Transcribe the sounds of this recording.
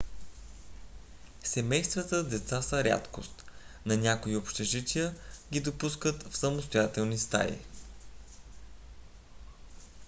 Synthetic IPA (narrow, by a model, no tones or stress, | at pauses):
sɛmɛjst̪vɐt̪əd̪ɛt̪sasəɾʲa̰t̪ko̰st̪ | nɐnʲakoiopʃt̪ɛʒit̪ʲiəɡʲid̪opuskət̪fsəmost̪ojat̪ɛlˠnist̪a̰jḭ